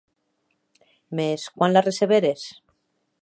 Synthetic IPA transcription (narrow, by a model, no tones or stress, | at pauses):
meskwanlareseβeɾes